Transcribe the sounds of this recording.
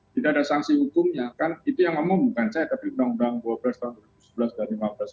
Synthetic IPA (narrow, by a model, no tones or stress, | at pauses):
t̪idaːdasaŋsihukʊmɲakanit̪ujaŋmamabukansajat̪apiundaŋundaŋduabəlast̪aɦʊnduaɾibuu̥səbəlasdaɾilimabəlas